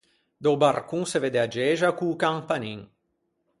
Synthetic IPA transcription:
d̪owbarkuŋseved̪ead͡ʒeːʒakukaŋpaniŋ

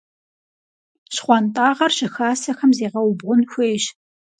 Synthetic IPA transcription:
ɕχʷɑntʼaːʁɐrɕɪxaːsɐxɐmzeːʁɐwbʁʷʊnxʷeːɕ

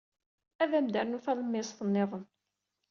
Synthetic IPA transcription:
æðæmd̪æɾnufæləmːɪsˤθənːeðˤən

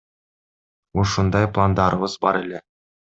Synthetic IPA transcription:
oʃund̪ɑjplˠand̪ɑɾʔɤβɤzbɑ̰ɾele

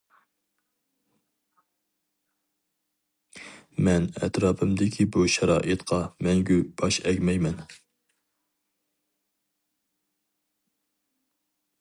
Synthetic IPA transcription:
mɛnɛ̰t̪ɾɑːpʰɨmd̪ɪkʲʰibuʃɑɾɑ̰ːʔɨt̪qʰɑmɛŋɡʲyb̥ɑʃɛɡʲmɛjmɛn

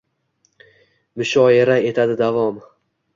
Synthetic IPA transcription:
mɪʃɒeɾae̞t̪ʰad̪ɪd̪avɒm

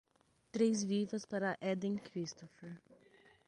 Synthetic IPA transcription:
t̪ɾejzvivɐspaɾɐʔɛd̪ẽŋkɾist̪ofeɾ

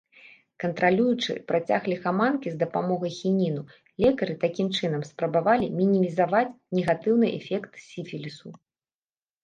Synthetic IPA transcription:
kɐnt̪ɾalʲujut͡ʂɨ̰pɾat͡sʲaɣlʲixamankʲizd̪ɐpamɔɣɐjxʲinʲinu | lʲɛkɐɾɨt̪akʲimt͡ʂɨnɐmspɾɐbavalʲimʲinʲimʲizavat͡sʲnʲɛɣat̪ɨwnɨʔɛ̰fʲɛkt̪sʲifʲilʲisu

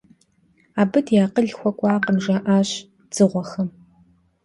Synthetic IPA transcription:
aːbɨdjaːqəɮxʷɔkʷʼɑːqəmʒaʔaːɕ | d͡z̥ɨʁʷɔxɐm

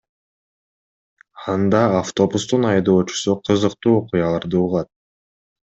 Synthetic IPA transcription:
ɑnd̪ɑːft̪o̞bust̪unɑjd̪o̞ːt͡ʃu̥suqʰɯzɯq̚t̪uːoqujɑlˠɑɾd̪ɯuʁˠɑt̪̚

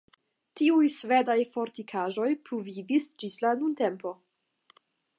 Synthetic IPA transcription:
tiujsvedajfo̞ɾtikʰaʒo̞jpɾuvivisd͡ʒislanunte̞mpo̞

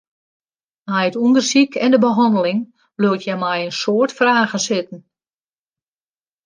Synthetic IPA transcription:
ɛjətundərsikʰɛndəbəɦɔndəlɪŋ | bløətʰjɛmɛjənsoːrtfraːɣəsɪtn̩

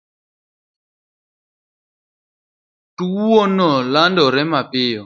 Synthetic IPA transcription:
tuɔnɔlandɔɾɛmapɪɔ

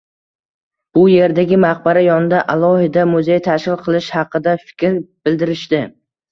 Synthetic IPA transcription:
b̥ʊje̞ɾd̪aɡʲɪmaq̚baɾajɒnɪd̪aʔalˠɒhɪd̪amʊzejt̪ʰaʃkɪlˠqʰɨlˠɪʃhɑqʰɨd̪afɪ̥kʲɾb̥ɪld̪ɪɾɪʃt̪ɪ

